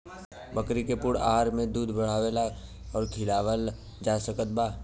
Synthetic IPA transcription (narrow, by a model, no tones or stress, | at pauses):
bəkɾikepʊɽa̰ɦaɾmẽd̪uːd̪ʱbəɽ̤aːʋela | ɔːɾkʰɪlaːwəl | d͡ʒaːsəkət̪̚baː